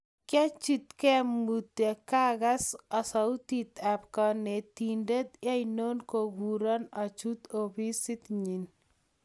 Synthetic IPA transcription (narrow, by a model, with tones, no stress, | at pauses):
kjɛ˦t͡ʃi˦t̪kɛ˦mut̪e˨ka˦ɣa˦sɔ˨sɔ˨u˦t̪it̪apkɔne˨t̪inde˦t̪ja˦jno˦nkoɡuɾɔ˦nɔ˨t͡ʃu˦t̪obi˦sɪ˦t̪ɲi˨n